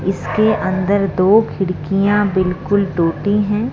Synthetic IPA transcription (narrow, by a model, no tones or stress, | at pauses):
ɪskeʔɐ̃nd̪əɾd̪oːkʰɪɽkijãbɪlkʊlʈoːʈiɦɛ̃ː